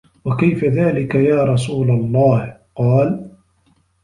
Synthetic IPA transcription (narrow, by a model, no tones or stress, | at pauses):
wakajfaðaːlɪkajaːɾˤɑsuːlalˤːɑːhqɑːl